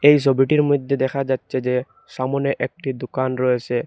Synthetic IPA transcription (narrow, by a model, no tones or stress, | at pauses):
ejs̬obiʈiɾmod̪ʱːed̪ɛkʰad͡ʑatːʃʰed͡ʑe | ʃamoneʔɛk̚ʈid̪okanɾɔjet͡ɕʰe